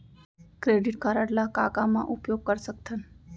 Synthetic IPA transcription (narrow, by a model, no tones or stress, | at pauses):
kɾeɖiʈkaɾaɽlakakamã̰ʔupjoɡ̚kəɾʃək̚t̪ʰən